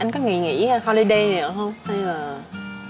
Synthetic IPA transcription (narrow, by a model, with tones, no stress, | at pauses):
ʔa˧ŋ̟kɔ˨˦ŋḭ˧˨ŋḭ˧˥˨hɔ˧li˧ɗə˧jnɨ̰˨˩ə˨hə˧wŋ͡mha˧jlaː˨˩